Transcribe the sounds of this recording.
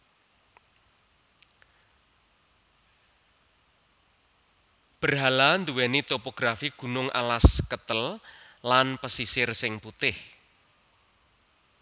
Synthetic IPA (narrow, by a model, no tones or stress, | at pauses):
b̥ə̤rɦaland̪uwɛnit̪opoɡ̥ɾafiɡ̥ṳnʊŋʔa̰laskət̪əllanpəsisɪrsɪŋput̪ɪh